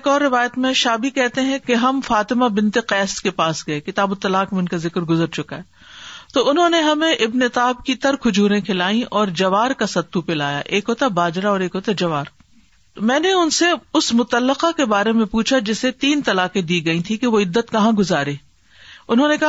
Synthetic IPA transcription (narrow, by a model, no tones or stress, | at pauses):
kɔːɾːɪʋaːjət̪mẽʃaːbʱikɛɦt̪eɦɛ̃keɦɐmfaːt̪ɪmabɪ̃nt̪eqɛːskepaːsɡɐekɪt̪aːbʊt̪ːɐlaːqmẽʊnkazɪkɾɡʊzəɾt͡ʃʊkaɦɛː | t̪oːʊnɦõːneɦɐmẽʔɪbnet̪aːɦɪb̚kit̪ɐɾkʰʊd͡ʒuːɾẽkʰɪlaːĩʔɔːɾd͡ʒɐʋaːɾkasɐt̪ːupɪlaːja̰ʔeːkɦoːt̪abaːd͡ʒɾaɔːɾeːkɦoːt̪ad͡ʒɐʋaːɾ | t̪omɛ̃ːneʊnseʊsmʊt̪əlːəqakebaːɾemẽpuːt͡ʃʰad͡ʒɪset̪iːnt̪ɐlaːqẽd̪iːɡɐĩt̪ʰikeʋoɪd̪ːət̪kɐɦãɡʊzaːɾeː | ʊnɦõːnekɐɦ